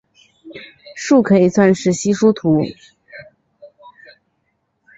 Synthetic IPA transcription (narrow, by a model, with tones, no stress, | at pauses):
ʂu˥˩kʰɤ˧˥i˨˩swa˥˧nʂɻ̩˥˩ɕi˥ʂu˥t̪ʰu˧˥